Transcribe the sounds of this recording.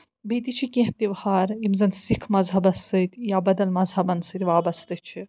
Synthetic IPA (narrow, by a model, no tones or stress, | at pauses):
beːt̪it͡ʃʰikẽht̪iʋhaːɾimzɐnsikʰmɐzɦɐbɐsɨt̪ʲjaːbɐd̪ɐlmɐzɦɐbɐnsɨt̪ʲʋaːbɐst̪ɨt͡ʃʰi